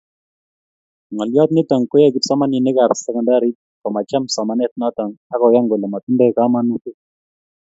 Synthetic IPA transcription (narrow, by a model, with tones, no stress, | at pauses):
ŋɔ˨ljɔ˦t̪ni˦tɔ˨ŋkɔ˦ja˦ɡi˨tsɔ˦ma˦ni˨ne˦ka˨ɾsɛ˨kɔ˨nda˦ɾi˦t̚ | kɔ˨ma˨t͡ʃa˦msɔ˨ma˦nɛ˦t̚nɔ˦tɔ˨ŋa˦kɔ˨ja˦ŋɡe˨le˨ma˨tu˦nbe˦˨ka˦ma˦nu˦ke˦